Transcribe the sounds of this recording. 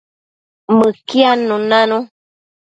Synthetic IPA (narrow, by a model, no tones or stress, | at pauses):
məkianũnãnũ